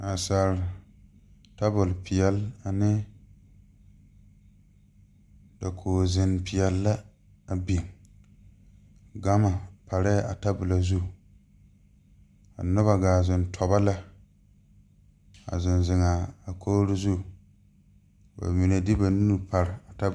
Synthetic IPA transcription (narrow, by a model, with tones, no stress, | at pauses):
a˨sa˨ɾɪ˨ | ta˦bʊ˨lpɪ˨ɛ˨la˨nɪ˦ | da˨kʰoː˨zɪ˨npɪ˨jɛ˨lːa˦ | a˨bi˨ŋ | ɡa˦ma˨pa˨ɾɛ˦ʔa˨ta˦bʊ˨la˨zu˦˨ | a˨nʊ˦ba˨ɡaː˨zɪ˨ntʰɔ˨ba˦la˦ | a̰˨zɪ˨nzɪ˨ŋaː˨kʰoː˦ɾɪ˦zu˦˨ | ba̰˨mi˨ne˨dɪ˦ba˨nu˦nu˦pa˨ɾɪ˨a˨ta˦